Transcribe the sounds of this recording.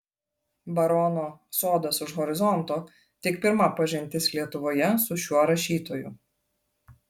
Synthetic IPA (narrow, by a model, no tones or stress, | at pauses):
bɐɾɔnoːsoːd̪ɐsʊʃɣɔɾʲɪzɔnˑt̪oː | t̪ʲɪkpʲɪɾmɐpɐʒʲɪnʲt̪ʲɪslʲiɛt̪ʊʋoːjɛsʊʃʲuɔɾɐʃʲiːt̪oːjʊ